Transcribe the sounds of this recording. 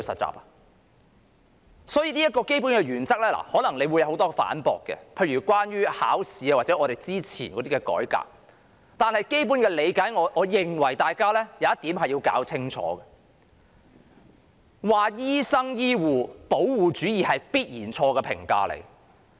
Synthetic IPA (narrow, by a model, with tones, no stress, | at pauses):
wsɐ̰˨t̚t͡sːa̰ː˨p̚a˨ | sɔː˨˥jiː˧niː˥jɐ˥t̚kɔː˧ke˥jpu˨˥nkɛ˧ɥyː˨˩nt͡sɐ˥k̚lɛː˥la̰ː˨˩hɔː˨˥nɐ˨˩ŋle˨˧jwjɐ˨˧who˨˥wt̪ɔː˥ɡɛ˧fa̰ː˨˥npɔ̰ː˨kːɛ̰˧pʰe˧jɥyː˨˩kwaː˥nɥyː˥ha̰ː˨˥wsiː˨˥aː˧waː˨t͡sɛ˨˧ŋɔː˨˧ɾe˨˩jt͡siː˥t͡sʰiː˨˩nkɔ˨˥t̪iː˥kɛ˧kɔ̰ː˨˥jka̰ː˧k̚ | t̪aː˨nhɐ˨jke˥jpu˨˥nkɛː˧le˨˧jkaː˨˥jŋɔː˨˧ʔɔː˨˧jɪ˨˩ŋwɐ˨˩jt̪aː˨jkaː˥lɛː˥jɐ˨˧˦jɐ˥t̪iː˨˥mhɐ˨jiː˧wka̰ː˨˥wt͡sʰɪ˥ŋt͡ʃʰɔ̰ː˨˥ɡɐ˧ | waː˨jiː˥sɐ˥ŋjiː˥wuː˨po˨˥wwuː˨t͡ʃyː˨˥jiː˨hɐ˨jpiː˥t̚jiː˨˩nt͡ʃʰɔː˧ɡɛ˧pʰɪ̰˨˩ŋka̰ː˧lḛ˨˩j